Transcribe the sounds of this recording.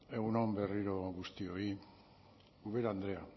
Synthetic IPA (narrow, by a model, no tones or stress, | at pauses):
e̞ɣunombe̞riɾo̞ɣust̪io̞i | uβe̞ɾand̪ɾe̞a